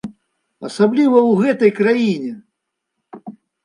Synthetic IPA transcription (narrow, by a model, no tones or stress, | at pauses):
ɐsablʲivɐwɣɛt̪ɐjkɾajinʲɛ